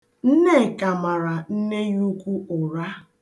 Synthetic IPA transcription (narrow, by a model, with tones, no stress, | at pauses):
n̩˦ne˦˨ka˨ma˨ɾa˨n̩˦ne˦ju˦kʷu˦ʔʊ˨ɾa˦